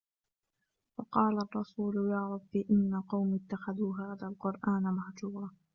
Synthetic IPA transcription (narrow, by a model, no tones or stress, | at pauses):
wɑqɑːlarˤːɑsuːlʊjɑːɾˤɑbːiʔɪnːaqɑwmɪt̪ːaxaðuːɦaːðalqʊɾˤʔaːnmahd͡ʒuːɾˤɑ